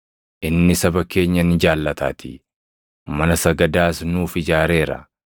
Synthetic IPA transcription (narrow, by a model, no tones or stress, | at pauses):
ʔɪnːɪsɐbɐke̞ːɲːɐnɪd͡ʒaːlːɐt̪ʰa̰ːt̪ʰɪ | mɐnɐsɐɡɐd̪aːsnuːfɪd͡ʒaːɾe̞ːɾɐ̰